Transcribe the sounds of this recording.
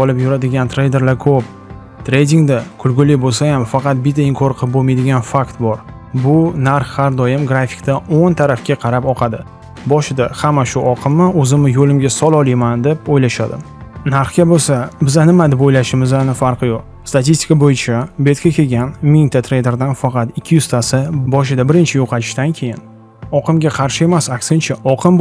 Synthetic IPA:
bɒlˠɪpjʊɾad̪ɪɡʲant̪ʰɾe̞jd̪e̞ɾlaɾkʰɵp̚ | t̪ʰɾe̞jd̪ʲiŋd̪akʰʊlɡʲʊlɪbolsajamfɑqʰɑt̪̚bɪt̪ʰaɪŋkʰɒɾqʰɨbomajd̪ɪɡʲanfakt̪bɒɾ | bʊnaɾχhaɾd̪ɒjɪmɡɾafɪ̥kʲt̪aont̪ʰaɾafkʲaqʰɑɾapɒqʰɑd̪ɪ | bɒʃɪd̪ahamːaʃʊʔɒqʰɨmːɪɵzɪmɪjolɪmɡʲasɒlˠɒlˠajmand̪e̞pojlaʃad̪ɪ̰ | naɾχkʲabosabɪzanɪmad̪ɪpojlaʃɪmɪzanɪfaɾqɨjoq̚ | st̪at̪ist̪ʲɪ̥kabojɪt͡ʃʰabe̞t̪kʲʰakʲʰe̞ɡʲanmɪŋʲt̪ʰat̪ʰɾejd̪e̞ɾd̪anfaqɑt̪ɪkʲʰːɪjʊz̥t̪ʰasɪbɒʃ̬ɪd̪abɪɾɪnt͡ʃʰɪjoqʰɑt͡ʃʰɪ̥ʃd̪ankʲʰe̞jɪn | ɒqʰɨmɡʲaqʰɑɾʃɪe̞masakʲsɪnt͡ʃʰaʔɒqʰɨm

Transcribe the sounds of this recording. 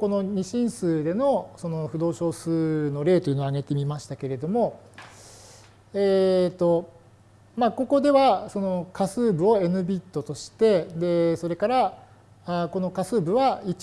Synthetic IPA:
ko̞no̞ɲ̟iɕĩɰ̃sɨːd̪e̞no̞so̞no̞ɸɯ̟d̪o̞ːɕo̞ːsɨːno̞ɾe̞ːt̪o̞jiɯ̟noaɡe̞t̪e̞mʲimaɕi̥t̪ake̞ɾe̞d̪o̞mo̞ | eːt̪o̞ | maːko̞ko̞d̪e̞βaso̞no̞kasɨːbɯ̟o̞e̞nɯ̟bʲit̪ːo̞t̪o̞ɕi̥t̪e̞d̪e̞so̞ɾe̞kaɾa | ako̞no̞kasɨːbɯ̟βai

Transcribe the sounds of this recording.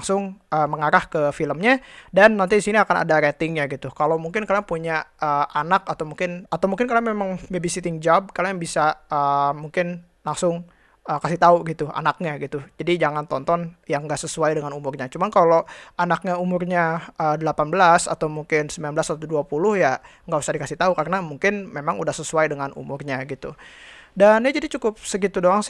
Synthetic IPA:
ŋsʊŋʔəːməŋaɾahkəfiləmɲadanːant̪idisiniakana̰daɾet̪ɪŋɲaɡit̪ukalowmuŋkɪnkaliaŋpuɲaəʔanakat̪awmuŋkɪnat̪awmuŋkɪnkaljamemaŋbebisit̪ɪŋd͡ʒab̚kaliaŋbisaəmuŋkɪn | laŋsʊŋ | əkasiht̪auɡit̪ua̰nak̚ɲaɡit̪ud͡ʒadid͡ʒaŋant̪ɔnt̪ɔnjaŋɡaʔsəsuajdəŋanumʊrɲat͡ʃumankaloanak̚ɲaumʊrɲaʔədəlapanbəlasa̰t̪awmuŋkɪnsəmbilanblasat̪t̪uduapulʊhjaŋɡaʔbusadikasɪht̪aukarənamuŋkɪnmemaŋudahsəsuajdəŋanṵmʊrɲaɡit̪udanad͡ʒadit͡ʃukʊp̚sək̬it̪udoɾaŋs

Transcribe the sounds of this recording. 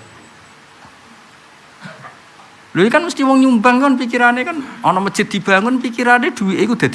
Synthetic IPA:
loikanməst̪iwɔŋɲumbaŋkɔnpik̬iɾanekanɔnɔmə̥ʒ̥ɪt̪̚d̪̥i̤b̥a̤ŋʊnpikiɾaned̪̥ṳwiʔikud̪̥a̤d̪̥

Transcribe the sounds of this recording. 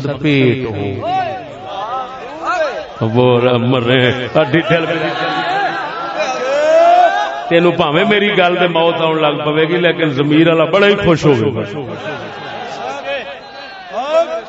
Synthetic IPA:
d̪peːʈɦo̰ː | boːɾaːməɾẽːəɖiːʈʰelpi | t̪eːnũːpaːʋẽːmeːɾiːɡəld̪eːmaːt̪aːʊɳləɡpəʋeːɡiːleːkɪnzəmiːɾaːlaːbəɽaːiːkʰʊʃɦoːʋeːkʊo

